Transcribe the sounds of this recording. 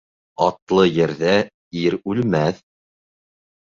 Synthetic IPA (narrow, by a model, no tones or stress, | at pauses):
ɑt̪lˠɤjɘ̆ɾðæ | iɾʉlmæθ